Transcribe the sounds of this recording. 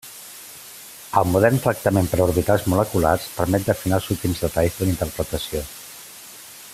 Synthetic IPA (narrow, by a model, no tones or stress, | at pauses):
əlˠmuðɛrnt̪ɾək̚t̪əmempəɾuɾβit̪alˠzmuləkula̰rspəɾmɛt̪̚d̪əfinalˠsut̪imzðət̪aʎzðəlint̪əɾpɾət̪əsio